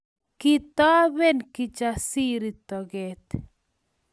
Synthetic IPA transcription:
kit̪a˦bɛ˦nki˦t͡ʃasi˦ɾi˨t̪ɔ˨ɡɛt̪

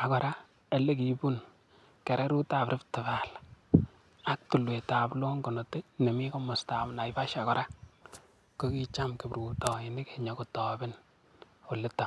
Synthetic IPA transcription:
a˨kɔ˨ɾa˦ | e˨le˦k̬i˨bu˦n | kɛ˨ɾɛ˦ɾu˦ta˨pɾɪ˦ptɪ˨βa˨l | a˦k̚tu˨lwe˨ta˨blɔ˦ŋɡɔ˨nɔ˨te˦ne˨mi˦ko˦mɔ˨sta˨bna˨ɪba˦ʃa˨kɔ˨ɾʔa˦ | ko˦ki˦t͡ʃamkɪ˨bɾuː˨tɔ˨ɪnɪ˦keɲɔko˨tɔbɪ˦n | o˨lɪ˦ta˨

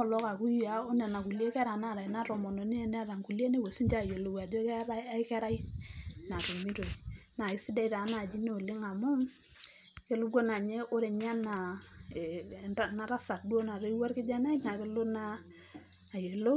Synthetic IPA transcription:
ɔ˦˨lɔ˦ka˨ku˦ja˨o˦nɛ˨na˨ku˨le˦kɛ˦ɾa˨na˦˨ɾa˨i˨na˦ɾɔ˨mɔ˨no˨ni˦e˦n˦a˦ɾa˨ŋku˨li˦e˦ne˦˨we˨si˦nd͡ʒa˦˨jo˨lo˨wa˨d͡ʒo˦kɾa˦a˦kɛ˦ɾa˦i˦na˨to˨mi˦to˨i˨na˨ɪ˦si˦dɛ˦i˦ta˨˦na˨d͡ʒi˦ne˦o˨lɪ˦ŋa˨mʊ˦ | ke˦lu˦ɡo˦na˨ɲe˦ʔo˦ɾe˨ɲa˦na˨ | a˨na˨˦ɾa˦sa˨tdu˦o˦na˨ɾe˦i˦wa˦ɾkɪ˦d͡ʒa˦na˦i˦na˨ke˦lo˦naː˦˨ | je˨lo˦

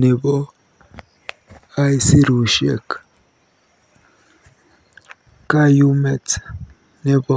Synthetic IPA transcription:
ne˨βo˦ | a˦i˦si˦ɾu˨ʃḛ˦˨k | ka˦ju˦me˦˨t͡s | ne˦βo˦

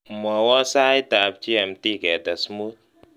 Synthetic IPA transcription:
mɔ˨wɔ˦sa˦i˦ta˨p̚t͡ʃi˦ɛ˨mti˦˨kɛ˨ta˨smu˦t̚

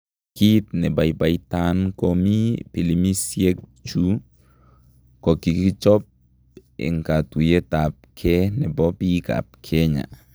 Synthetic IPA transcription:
ki˦tnɛ˨ba˨jba˨jtankomi˦pi˨limi˦sje˦k̚t͡ʃu˦ | kɔ˨ki˨ki˦t͡ʃɔ˦p̚ | ḭ˨ŋkatu˨je˦tap̚kʰɛnɛ˨bɔ˦pi˦ka̰p̚kʰɛɲa̰˨

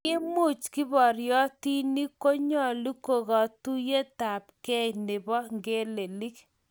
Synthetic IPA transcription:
kɪ˦mʊ˦˨t͡ʃkɪ˦bɔ˨ɾjɔ˦ti˦ni˦ko˦ɲɔ˦lu˦ko˨ɣɔ˨tu˦je˦ta˨p̚kɛ˦nɪ˨bɔ˦ŋɡe˦le˨li˦k

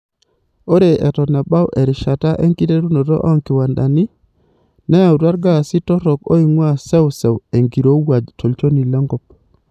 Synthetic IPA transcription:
o˦ɾe˨ʔɛ˨tɔ˨na˨ɓa˦wʔɛ˨ɾɪ˨ʃa˨ta˦ʔɛ˦ŋki˦te˦ɾu˦no˨ɾɔ̰˦ʔɔ˦ŋkɪ˨wa˨nda̰˨ni˦ | na˦ja˨wtwa˦ɾɡa˦˨si˦tɔ˦ɾɔ˨ko̰˦i˨ŋwa˦˨sɛ˦wsɛ˨we˨ŋɡi˨ɾo˨˦wa˨d͡ʒtʰo˨lt͡ʃo˦ni˨lɔ˦ŋɡɔ˦p̚

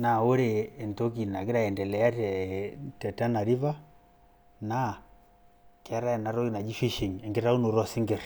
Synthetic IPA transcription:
na˨o˦ɾeː˨ntɔ˦ki˨na˨ɡi˦ɾa˦ɛ˨ndɛ˨lɛ˨a˦ɛtɛ˨ta˦na˨ɾi˦va˦ | na˦ | ke˨a˦ɾa˦ɛ˨na˨ɾɔ˦i˦na˨d͡ʒi˦fi˦ʃi˨ŋɛ˨ŋɡɛ˦ɾa˦u˦nu˨ɾɔ˦si˦ŋɡɛ˨ɾ

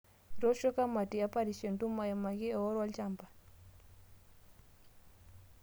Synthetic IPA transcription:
ɾɔ˦ʃɔ˦ka˦ma˨ti˨a˦pa˦ɾi˨ʃɔ˨ntu˦ma˨ja˨ma˨ɣi˦ɔ˨ɔ˦ɾwa˦lt͡ʃa˦mpa˨

